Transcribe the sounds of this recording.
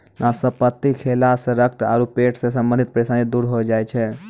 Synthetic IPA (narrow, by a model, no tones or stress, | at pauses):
nasəpət̪ːikʰelasẽɾək̚ʰt̪a̰ɾupeʈsẽsə̃mbə̃nd̪ʱit̪̚pɾesanid̪uɾɦod͡ʒajt͡ʃʰɛ